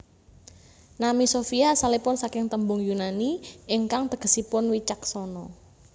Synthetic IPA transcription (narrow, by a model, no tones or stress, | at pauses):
namisofiasalepʊnsakɪŋt̪əmbʊŋjunaniɪŋkaŋt̪əɡ̥ə̤sipʊnwit͡ʃaksɔnɔ